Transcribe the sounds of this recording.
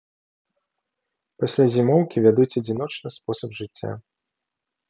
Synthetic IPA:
pasʲlʲazʲimɔwkʲivʲad̪ut͡sʲɐd͡zʲinɔt͡ʂnɨspɔsɐbʐɨt͡sʲːa̰

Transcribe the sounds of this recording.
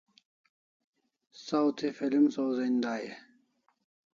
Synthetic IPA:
sawt̪ʰifilmsowzind̪aːje

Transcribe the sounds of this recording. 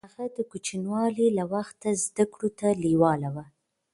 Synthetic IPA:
aɣad̪əkut͡ʃinwɑlilawaxt̪azd̪akɽot̪aliwɑlawa

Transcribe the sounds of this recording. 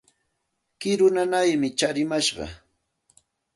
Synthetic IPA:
kɪɾʊnanajmɪt͡ʃaɾɪmaʃɢɑ̰

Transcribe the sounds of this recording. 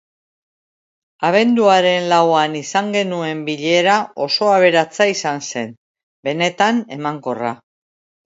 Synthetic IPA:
aβ̞e̞nd̪uaɾe̞nlawanisaŋɡe̞nue̞mbiʎe̞ɾao̞so̞aβe̞ɾat͡saisanse̞n | be̞ne̞t̪ane̞maŋko̞ra̰

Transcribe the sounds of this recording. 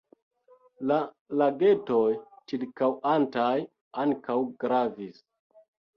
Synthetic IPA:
la | laɡe̞tojt͡ʃiɾkawantaj | aŋkawɡɾavis

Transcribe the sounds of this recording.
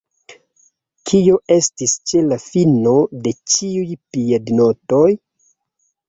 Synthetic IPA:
kʰio̞ʔe̞stist͡ʃe̞lafino̞de̞t͡ʃiujpiadnoto̞j

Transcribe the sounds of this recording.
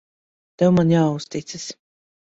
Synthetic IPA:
t̪ɛwmanjaːust̪it̪sɨs

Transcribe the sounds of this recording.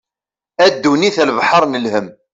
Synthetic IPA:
æd̪ːuniθælvħɑɾˤnəlhəm

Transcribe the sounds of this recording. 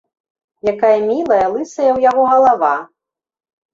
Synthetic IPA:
jakajɐmʲilˠɐjɐlˠɨsɐjɐwjaɣɔɣɐlˠava

